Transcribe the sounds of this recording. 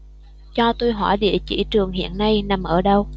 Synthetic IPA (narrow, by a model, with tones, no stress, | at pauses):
t͡ɕɔ˧t̪o˧jɦɔ˧˩jɗḭ˧˨ət͡ɕḭ˧˩t͡ɕɨ˨˩əŋɦḭ˧˨ənːa˧jna˨˩mʔəː˧˩ɗə˧w